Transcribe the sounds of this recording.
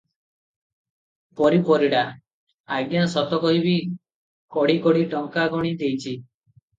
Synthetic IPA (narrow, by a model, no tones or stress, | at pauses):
pɔɾipɔɾiɽa | aɡjasɔt̪ɔkɔɦibi | kɔɽikɔɽiʈɔŋkaɡɔɽ̃id̪ejt͡ʃʰi